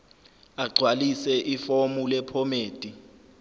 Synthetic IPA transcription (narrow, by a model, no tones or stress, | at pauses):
aɡ͡ǀʱwalisɛʔifomulɛpʰɔmeːd̥ʱʼi